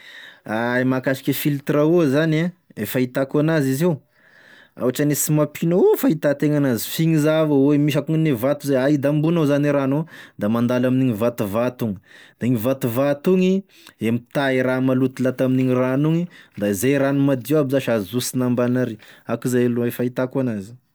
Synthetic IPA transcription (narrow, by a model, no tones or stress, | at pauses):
aimakaʃi̥kʲefilt̪rauzanaefait̪akanazizew | a̰waʈ͡ʂanesimapʰinofait̪at̪eŋanazi̥fiŋizavəwemiʃ̬akuŋnevat̪uzaaid̪ambunazaniɾanod̪amand̪alaminiɲivat̪uvat̪uŋəd̪̥aiŋivat̪uvat̪uŋi | emit̪aiɾamalut̪ilat̪aminiɲiranuŋid̪aizajɾanumad̪iwabizaʃazusinambanaɾeakizajluefait̪akanazi̥